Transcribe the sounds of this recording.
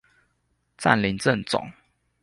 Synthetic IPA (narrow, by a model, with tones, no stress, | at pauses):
t͡sa̰˥˨nli˨˦nt͡sə˥˨nt͡sɔ̰˨˩˦ŋ